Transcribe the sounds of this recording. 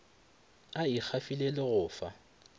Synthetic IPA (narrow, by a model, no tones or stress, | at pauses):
aik͡xʰafilelɪɣʊːfa̰